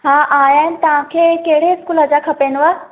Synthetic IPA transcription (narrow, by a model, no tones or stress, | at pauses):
ɦãʔaːjaːnɪt̪ɐʋãkʰekeɦɽeɪskuːləd͡ʑakʰɐpenʋa